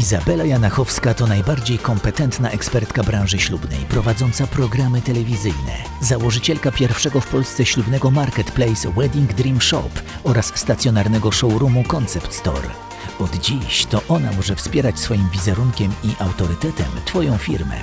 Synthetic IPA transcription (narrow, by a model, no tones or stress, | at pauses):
izabɛlajanaxɔfskat̪ɔnajbaɾd͡ʑejkɔmpɛt̪ɛnt̪naʔɛkspɛɾt̪kabɾãw̃ʐɘɕlubnɛ̰jpɾɔvad̪zɔnt̪sapɾɔɡɾamɘt̪ɛlɛvʲizɘjnɛ̰ | zawɔʐɘt͡ɕɛlkapʲjɛɾfʂɛɡɔfpɔlst̪sɛɕlubnɛɡɔmaɾkɛt̪plɛjswɛd̪ʲiŋɡd̪ɾʲimʂɔ̰p | ɔɾasːt̪at̪sʲjɔnaɾnɛɡɔʂɔwɾumukɔnt̪sɛpt̪st̪ɔ̰ɾ | ɔd̪d͡ʑiɕt̪ɔʔɔna̰mɔʐɛfspʲjɛɾat͡ɕsfɔjimvʲizɛɾuŋkʲɛmiʔawt̪ɔɾɘt̪ɛt̪ɛ̰mt̪fɔjɔ̃w̃fʲiɾmɛ̰